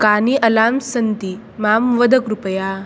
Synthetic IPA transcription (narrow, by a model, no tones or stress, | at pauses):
kaːniʔɐlaːmsɐnt̪i | maːmʋəd̪ʱəkɾupɐjaː